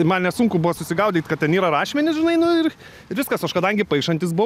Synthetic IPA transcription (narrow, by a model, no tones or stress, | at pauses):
ɪmɐnnʲɛsʊŋkʊbʊʋɐsʊsʲɪɡɐʊd̪ʲiːt̪kɐt̪t̪ʲɛniːɾɐɾɑːʃʲmʲɛnʲɪsʒʲɪnɐɪnʊɪr | ɪɾʋʲɪskɐsɐʃkɐd̪ɐŋʲɡʲɪpɐɪkʃɐnʲt̪ʲɪsbʊ